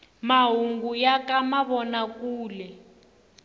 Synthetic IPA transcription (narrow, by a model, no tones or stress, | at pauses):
maɦuŋɡujakamaβɔnakuːlɛ